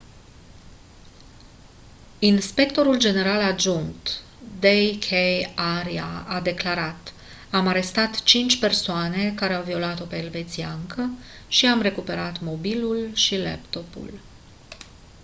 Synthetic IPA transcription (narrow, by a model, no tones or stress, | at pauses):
inspe̞k̚t̪o̞ɾuld͡ʒe̞ne̞ɾalad͡ʒunt̪ | d̪ejkʰejaɾiaad̪e̞klaɾat̪ | amaɾe̞st̪at̪t͡ʃint͡ʃʲpe̞rsoane̞kaɾeawvio̞lat̪o̞peːlve̞t̪siaŋkə | ʃiamre̞kupe̞ɾat̪mo̞bilulʃilḛpt̪o̞pṵl